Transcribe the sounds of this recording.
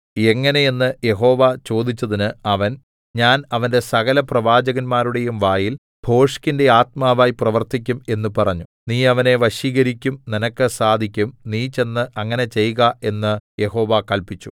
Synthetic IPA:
e̞ŋːɐne̞jenːɨje̞ɦo̞ːʋat͡ɕo̞ːd̪it͡ɕːɐðinɨɐʋɐn | ɲaːnɐʋɐnde̞sɐɣɐlɐprɐʋaːd͡ʑɐɣɐnmaːɾuɽe̞jumʋaːjil | b̥ʱo̞ːʂkinde̞aːt̪̚maːʋaːjiprɐʋɐrt̪ik̬ʲːume̞nːɨpɐrɐɲːuniːɐʋɐne̞ʋɐɕiːɣɐɾikʲːumninɐkːɨsaːd̪ʱikʲːumniːt͡ɕe̞nːɨʔɐŋːɐne̞t͡ɕe̞jɣɐe̞nːɨje̞ɦo̞ːʋakɐlpit͡ɕːu̥

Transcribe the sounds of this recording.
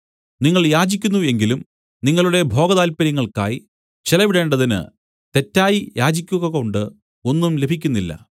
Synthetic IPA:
niŋːɐɭjaːd͡ʑikʲːunːue̞ŋɡilum | niŋːɐɭuɽe̞bʱo̞ːɡɐðaːlpɐɾiŋːɐɭka̰ːji | t͡ɕilɐʋiɽe̞ːɳɖɐðinɨ̰ | t̪e̞tːaːjijʔaːd͡ʑikʲːuɣɐɣɐouɳɖɨ | o̞nːumle̞bʱikʲːunːilːɐ̰

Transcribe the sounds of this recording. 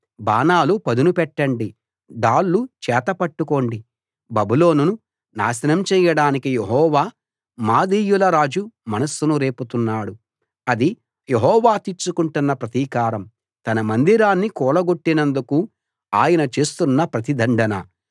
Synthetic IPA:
baːnaːlupɐd̪unupɛʈːɐɳɖi | d̪aːɭːut͡ʃɛːt̪ɐpɐʈːuko̞ːɳɖi | bɐbilo̞ːnunu | na̰ːsɐnɐmt͡ʃɛːjɐɽaːnikijeɦɔːʋaː | maːd̪iːjulɐɾaːd͡ʒumɐnɐsːunuɾe̞ːput̪unːaːɽu | ɐd̪i | jeɦɔːʋaːt̪iɾt͡ʃukuɳʈunːɐpɾɐt̪iːkaːɾɐm | t̪ɐnɐmɐnd̪iɾaːnːikɔːlɐɡo̞ʈːinɐnd̪uku | aːjɐnɐt͡ʃe̞ːst̪unːɐpɾɐt̪id̪ʱɐɳɖɐnɐ̰

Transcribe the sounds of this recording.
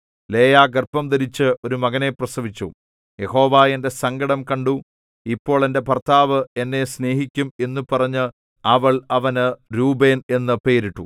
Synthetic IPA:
le̞ːjaːɡɐrpɐmd̪ɐɾit͡ɕːɨʔo̞ɾumɐɣɐne̞prɐsɐʋit͡ɕːṵ | je̞ho̞ːʋaːe̞nde̞sɐŋɡɐɽɐmkɐɳɖu | ipːo̞ːɭe̞nde̞pɐrt̪ʰaːʋɨe̞nːe̞sne̞ːɦikʲːume̞nːupɐrɐɲːɨ | ɐʋɐɭɐʋɐnɨɾuːbe̞ːne̞nːɨpe̞ːɾiʈːu

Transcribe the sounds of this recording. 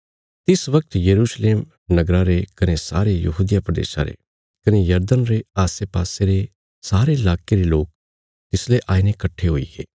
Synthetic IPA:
t̪ɪsʋɐk̚t̪jɐɾuːʃleːm | nɐɡɾaɾekɐnesa̰ːɾejɐɦuːd̪ɪjapɾɐd̪ḛːʃa̰ɾḛ | kɐnejɐɾd̪ənɾeaːseːpaːseɾe | saːɾeɪlaːkeɾeloːk̚ | t̪ɪsleʔaːinekɐʈʰːeɦʊḭɡḛː

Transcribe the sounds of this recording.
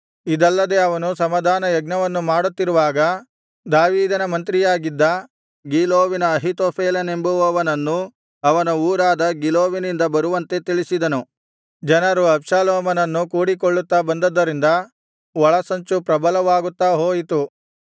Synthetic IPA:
id̪ɐlːɐd̪e̞ɐʋɐnusɐmɐd̪ʱaːnɐjɐɡnɐʋɐnːumaːɽut̪ːiɾuʋaːɡɐ | d̪aːʋiːd̪ɐnɐmɐnt̪ɾijaːɡid̪ːɐ | ɡiːloːʋinɐːɦit̪oːpʰeːlɐne̞mbuʋɐʋɐnɐnːu | ɐʋɐnɐuːɾaːd̪ɐɡiloːʋinind̪ɐbɐɾuʋɐnt̪e̞t̪iɭisid̪ɐnu | d͡ʒɐnɐɾuɐpʂaːlɔːmɐnɐnːukuːɽikoɭːut̪ːabɐnd̪ɐd̪ːɐɾind̪ɐ | ʋɔɭɐsɐɲt͡ʃupɾɐbɐlɐʋaːɡut̪ːaɦoːjit̪u

